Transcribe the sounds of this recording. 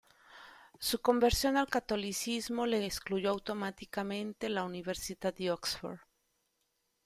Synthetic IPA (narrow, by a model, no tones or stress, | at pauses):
suko̞mbe̞ɾsjo̞nalkat̪o̞lisizmo̞le̞skluʝo̞awt̪o̞mat̪ikamẽ̞nt̪e̞launiβe̞ɾsiðaðd̪eoksfo̰ɾ